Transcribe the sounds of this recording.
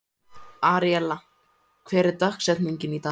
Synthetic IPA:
aːɾijɛla | kʰvɛːɾɪɾt̪ahksɛt̪niɲcɪnit̪a

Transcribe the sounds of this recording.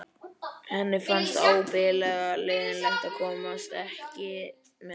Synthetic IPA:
hɛnːɪfanst̪aːwpɪlɛɣaleːɣɪnlɛht̪aðkʰɔːmast̪ɛhcɪ | mɛ

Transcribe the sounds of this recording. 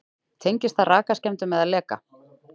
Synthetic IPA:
t̪ʰejɲcɪst̪θaðraːkascɛmt̪ʏmːɛðaðlɛːka̰

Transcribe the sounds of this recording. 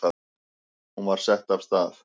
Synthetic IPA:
a | unvaɾ̥sɛht̪av̥st̪aːθ

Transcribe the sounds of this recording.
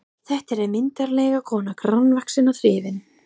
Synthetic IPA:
θɛht̪ɛɾɛɾmɪnt̪aɾlɛjɣakʰɔːnakʰɾanvaksɪnaθɾɪːvɪn

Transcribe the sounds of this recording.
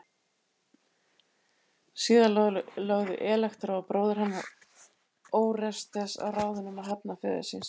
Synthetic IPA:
siːðanlœɣðʏ̰ʔɛːlaxt̪ɾaapɾoːwðɪɾ̥hanːa | oːwrɛst̪θɛsa̰wraːwðʏnʏmaðɦapnafɛ̰ðɪ̰sins

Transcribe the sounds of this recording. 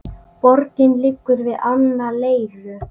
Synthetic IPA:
pɔɾcɪnlɪkːʏɾvɪðanːaleːjlʏ

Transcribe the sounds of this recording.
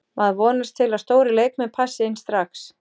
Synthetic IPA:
maðvɔːnast̪ʰːɪlaðst̪oːwɾɪlejk̚mɛðpʰasːɪɪnst̪ɾaxs

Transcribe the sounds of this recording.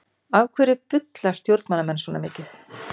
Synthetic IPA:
avkʰvɛːɾɪpʏt̪lḁst̪jowɾt̪manːamɛnsvɔnamɪːcɪθ

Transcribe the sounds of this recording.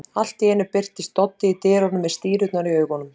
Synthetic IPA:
al̥t̪ɛːnʏpɪr̥t̪ɪist̪ɔt̪ːɪit̪ɪːɾɔnʏmːɛðst̪iːɾʏt̪naɾiœːɥkɔnʏmm

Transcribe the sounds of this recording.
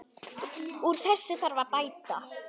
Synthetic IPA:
uɾ̥θɛsːʏθaɾvaɾpaːjt̪a

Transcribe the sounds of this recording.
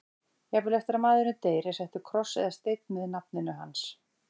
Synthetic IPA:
jaɣvɪlɛft̪ɪɾamaːðɪɾnʏt̪eːjɾɛsɛht̪ʏkʰɾɔsːɛ̰ðast̪ejt̪nmɪðnap̚nɪnʏɦa̰ns

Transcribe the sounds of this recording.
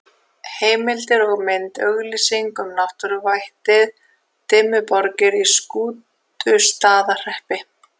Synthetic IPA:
heːjmɪlt̪ɪɾɔɣmɪnt̪œɣlisiŋkʏmnawht̪ʏɾʏvajht̪ɪð | t̪ʰɪːmʏpɔɾcɪɾiskuːt̪ | ʏst̪aːðar̥ɛhpɪ

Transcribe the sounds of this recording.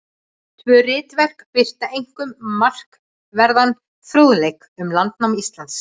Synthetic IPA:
t̪ʰvœːrɪːt̪vɛr̥kpɪr̥t̪aejŋ̥kʏmːar̥k | vɛɾðan | θɾoːwðlejk | ʏmlant̪nawmist̪lant̪s

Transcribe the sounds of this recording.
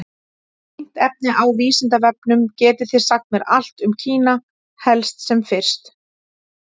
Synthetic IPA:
ɪn̥t̪ɛp̚nɪʔawviːsɪnt̪avɛp̚nʏmcɛːt̪ɪθɪɾ̥sak̚t̪mɛɾa̰l̥t̪ʏmcʰiːna | hɛlst̪sɛmfɪr̥st̪

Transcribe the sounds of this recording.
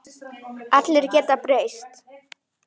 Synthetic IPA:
at̪lɛɾcɛːt̪apɾejst̪

